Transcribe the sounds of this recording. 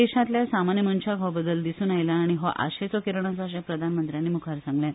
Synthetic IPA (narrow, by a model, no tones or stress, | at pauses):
eɕãt̪ljasamanjəmənt͡ɕʰakɦɔbəd̪ːəld̪isuːnajlaːɽ̃iɦoʔa̰ɕet͡sɔkeɾɳ̃at͡saːɕ̬apɾəd̪ʱanmənt̪ɾjanːiːmukʰaɾsãŋɡljã